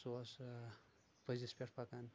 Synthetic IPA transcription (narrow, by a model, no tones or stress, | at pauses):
sos | pəzispʲeʈpakan